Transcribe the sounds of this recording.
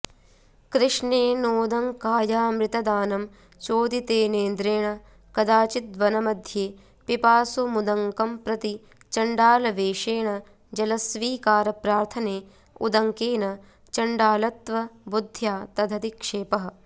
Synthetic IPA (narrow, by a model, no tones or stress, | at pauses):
kɾɪʂneːnoːd̪ɐŋkaːjaːmɾɪt̪ɐd̪aːnɐm | t͡ʃoːd̪it̪eːneːnd̪ɾeːɳɐ | kɐd̪aːt͡ʃit̪̚ʋɐnɐmɐd̪ʱjeː | pipaːsumud̪ɐŋkɐmpɾɐt̪i | t͡ʃɐɳɖaːlɐʋeːʃeːɳɐ | d͡ʒɐlɐsʋiːkaːɾɐpɾaːɾt̪ʰɐneː | ṵd̪ɐŋkeːnɐ | t͡ʃɐɳɖaːlɐt̪ʋɐbud̪ʱːjaːt̪ɐd̪ʱɐd̪ikʂeːpɐɦɐ̆